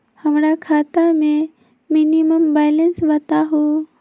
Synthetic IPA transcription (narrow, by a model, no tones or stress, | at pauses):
həmɾakʰaːt̪amẽ | mɪniməmbajlənsbɐt̪aɦo